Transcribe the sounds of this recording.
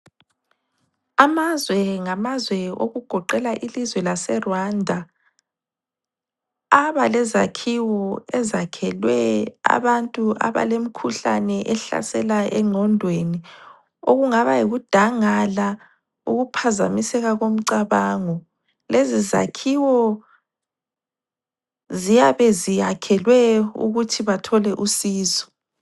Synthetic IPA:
amazwɛŋamazwɛo̰ɣuɡ̥ʱɔǃɛlaʔilizwɛlasɛrwandʱa | βalɛzakʰiwɔɛzakʰɛlwɛa̰βantʼua̰βa̰lemikʰuɬa̰nɛʔɛɬa̰sɛlaʔɛŋ͡ǀʱɔndʱweni | oɣuŋaβajiɣud̥ʱaŋala | uɣupʰazamisɛɣaɣom̩ǀaβaːŋɔ | leziza̰kʰiwɔ | zijaβɛziakʰɛlwɛṵɣutʰiβatʰɔlɛʔusiːzɔ̥

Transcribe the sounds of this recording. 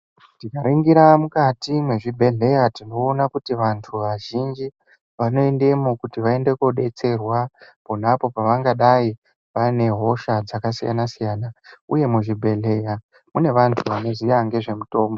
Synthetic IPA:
tikaɾiŋɡiɾamukatimwe̞ʐibʱe̞ɮe̞jatino̞ːnakutiʋantʰuʋaʒind͡ʒi | ʋano̞ende̞mokutiʋae̞nde̞koɗe̞t͡se̞rwapo̞napo̞paʋaŋɡaɗai | ʋane̞ɦo̞ʃad͡zakasija̰nasijaːnauje̞muʐibʱe̞ɮe̞ja | mune̞ʋantʰuʋane̞zijaŋɡe̞ʐe̞muto̞ːmbo

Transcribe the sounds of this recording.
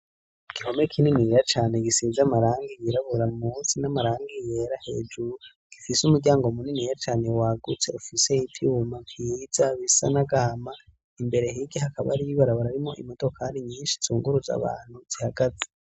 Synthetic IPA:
iɡ̥iho̞mekʰininiɾat͡ʃaːneɡisiːzamaɾaːŋɡijiɾaβuɾamuːnsinamaɾaːŋɡijeɾahe̞̰ːd͡ʒuɾu | ɡ̥ifisumuɡɟaːŋɡo̞muninijat͡ʃaːne̞waːɡut͡se̞ufise̞itʰiumaphizaβisa̰naɡaama | imbe̞ɾe̞ɦiɡihakaβa̰ɾiβaɾaβaɾaɾimo̞ʔḭmodo̞kaɾiɲiːnʃi̥zuːŋɡuɾuza̰βa̰ːn̥huz̥ihaɡ̥aze

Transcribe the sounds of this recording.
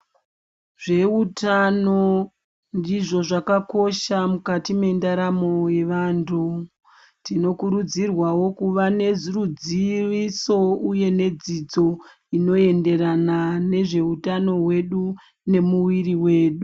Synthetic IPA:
ʐe̞utano̞ | ndiʐo̞ʐakako̞ʃamukatime̞ndaɾamo̞je̞ʋaːntʰu | tino̞kuɾud͡zirwawo̞kuʋane̞zurud͡ziʋiso̞uje̞ne̞d͡zid͡zo̞ | ino̞e̞nde̞ɾanane̞ʐe̞utano̞ɦwe̞ɗu | ne̞muwiriwe̞ːɗu

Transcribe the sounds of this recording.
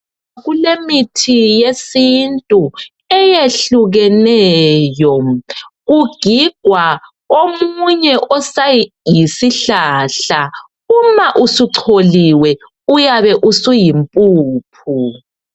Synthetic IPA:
ɣulemitʰijesintʼu | ɛjeɬuɣɛnɛjɔ | ɣuɡ̥ʱiɡ̥ʱwa | omuɲɛʔɔsaj | jisiɬaːɬa | umaʔusuǀʰoliwɛ | ujaβɛʔusujimpʼuːp̚ʰu

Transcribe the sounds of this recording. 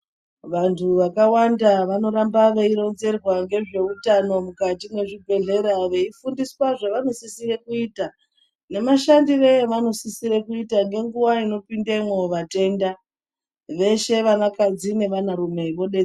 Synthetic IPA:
ʋantʰuʋakawandaʋano̞ɾambaʋe̞iɾo̞nze̞rwaŋɡe̞ʐe̞utano̞mukatimwe̞ʐibʱe̞ɮe̞ɾaʋe̞ifundiswaʐeʋano̞sisirekuiːta | ne̞maʃandiʋe̞eʋano̞sisiɾekuitaŋɡe̞ŋɡuwaino̞pindemwoʋate̞ːnda | ʋe̞ʃe̞ʋanakad͡zine̞ʋanaɾume̞iʋo̞ɗe

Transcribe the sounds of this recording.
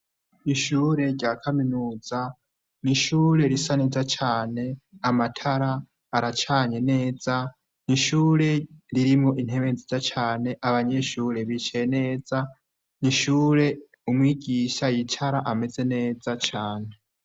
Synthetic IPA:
iʃuːɾe̞ɟɟaːkʰaminuːz̥a | niʃuːɾe̞ɾisanizat͡ʃʰaːne̞amatʰaɾaː | ɾat͡ʃʰaːɲe̞ne̞ːz̥a | niʃuːɾe̞ɾiɾimo̞ʔin̥he̞βenzizat͡ʃaːne̞ʔaβaɲe̞ʃuːɾe̞βit͡ʃejene̞ːza | niʃuːɾe̞ | umwiːɟiːʃajitʰaɾaʔame̞ze̞ne̞ːzat͡ʃʰaːne̞

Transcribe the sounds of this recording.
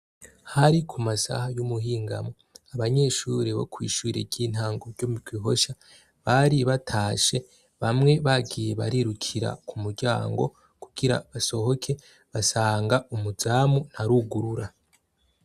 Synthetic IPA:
haɾikʰumasa̰hajumuɦiːŋɡa̰mo | aβaɲe̞ʃuɾiβo̰kwḭːʃuɾḛɟiːn̥haːŋɡoɾɟomikwiɦo̞ʃa | βaɾiβatʰaːʃe̞ | βamŋe̞βaɡije̞βa̰ɾiɾukʰiɾa̰kumuɾɟa̰ːŋɡo̞̰ | kuɡ̥iɾa̰βaso̞ho̞kʰe̞ | βasaːŋɡaumuzaːmun̥aɾuɡuɾuɾa

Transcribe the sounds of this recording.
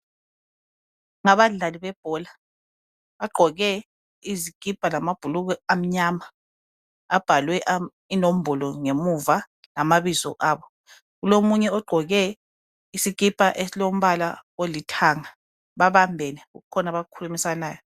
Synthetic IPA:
ŋaβaɮaliβɛb̥̚ʱɔːla | βaɡ͡ǃʱɔɣɛ | iziɡ̥ʱib̥ʱalamab̥ʱuluɣɛam̩ɲama | ab̥ʱalwɛʔ | inom̩bʱɔlɔŋemuva | lamaβizɔ̰ʔaːβɔ | ɣulomuɲɛɔɡ͡ǃʱɔɣɛ | isiɡ̥ʱib̥ʱaʔesilom̩βala̰olitʰaŋa | βaβambʱɛnɛuɣukʰɔnaβakʰulumisanaːjɔ

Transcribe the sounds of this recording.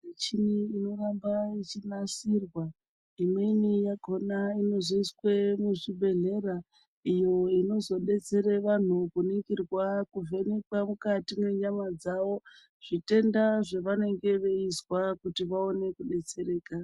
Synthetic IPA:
net͡ʃiniːno̞rambait͡ʃinasirwa | imwe̞nijaɡʱo̞naino̞zoiswemuʐibʱe̞ɮe̞ɾa | ijo̞ino̞zo̞ɗe̞t͡se̞ɾeʋan̤ukuniŋɡirwakuvʱe̞nekwamukatime̞ɲamad͡zaʋo̞ | ʐ̥ite̞ndaʐeʋane̞ŋɡe̞ʋe̞izwakutiʋao̞ne̞kuɗe̞t͡se̞ɾe̞ːka

